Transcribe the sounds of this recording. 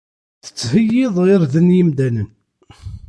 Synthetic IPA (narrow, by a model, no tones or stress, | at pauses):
θə̥t͡sːhəjːɪðˤʁɪɾðənjimd̪ænən